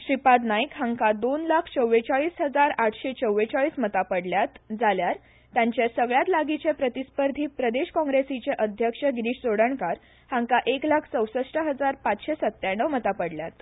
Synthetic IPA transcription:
ɕɾipad̪najkɦaŋkad̪onlakʰt͡səwːet͡saɭiːsɦəd͡zaɾaʈʰɕet͡səwːet͡saɭiːsmət̪apəɽljat̪d͡zaljaɾ | t̪jaɲt͡ɕjasəɡɭjat̪laɡit͡ɕepɾət̪ispəɾd̪ʱiːpɾəd̪eɕkɔ̃ŋɡɾesit͡ɕeʔəd̪ʱjəkʂəɡɾiːɕd͡zoɽəɳkaɾ | hãŋkaʔeklakʰt͡səwsəʂʈəɦəd͡zaɾpat͡sɕesət̪ːjaɳːəʋmət̪apəɽljat̪

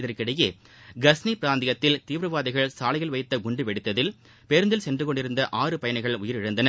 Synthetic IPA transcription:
ɪðɐrkɪɽɐje | ɡɐsnipɪɾaːnd̪ɪjɐt̪ːɪlt̪iːʋɾɐʋaːðɪɣɐɭsaːlɐɪjɣɐɭʋɐɪt̪ːɐɡʊɳɖɯʋɛɽɪt̪ːɐðɪl | peɾɯnd̪ɪlsɛndrɯkɔɳɖɪɾɯnd̪ɐʔaːrɯpɐjɐɳɐɪɣɐɭʊjɪɾɪɻɯnd̪ɐnɐ

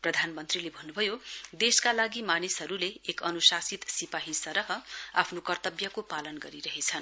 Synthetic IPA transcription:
prʌd̪ʱanmʌnt̪rilebʱʌnːubʱʌjod̪eskalaɡimanisɦʌɾuleːkʌnusasit̪sipaɦisʌɾʌɦʌa̰pʰnokʌrt̪ʌbjʌkopalʌnɡʌɾiɾʌɦet͡sʰʌn

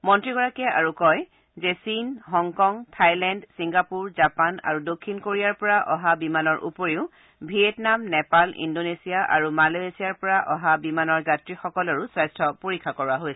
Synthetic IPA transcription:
mɔntɹiɡɔɹakɛa̰ɹukɔj | zɛsinɦɔŋkɔŋtʰajlɛndsiŋɡapuɹzapana̰ɹudokʰːinkoɹijaɹpɔɹaʔɔɦabimanɔɹʔṵpoɹiʊ | bʱietnamnɛpalʔḭndonesijaʔa̰ɹumaloesiaɹpɔɹaʔɔɦabimanɔɹzatɹixɔkɔlɔɹusɹajstʰɔpoɹikʰːakɔɹaɦojsɛ̥

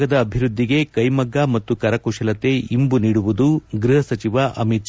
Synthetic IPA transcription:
ɡɐd̪ɐːbʱiɾud̪ʱːiɡe̞kɐjmɐɡːamɐt̪ːukɐɾɐkuʃɐlɐt̪e̞imbuniːɽuʋud̪uɡɾiɦɐsɐt͡ʃiʋaʔɐmit̪

